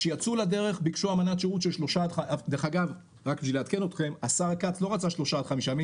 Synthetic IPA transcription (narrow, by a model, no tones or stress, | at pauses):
ʃejat͡sulade̞ʁe̞χbikʃuamanat̪ʃeʁut̪ʃelʃlo̞ʃad̪ad̪eχaɡav | ʁakbileat̪ke̞no̞t̪χe̞masaʁakat͡sloʁat͡saʃlo̞ʃad̪χamiʃami